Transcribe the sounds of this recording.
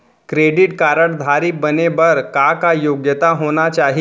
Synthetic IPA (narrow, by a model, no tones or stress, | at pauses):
kɾeɖiʈkaɾəɽd̪ʱaɾibənebəɾkakajoɡjət̪aɦonat͡ɕaɦi